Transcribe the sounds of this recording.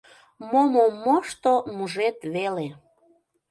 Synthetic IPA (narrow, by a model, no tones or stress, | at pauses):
momomːoʃt̪omuʒet̪βele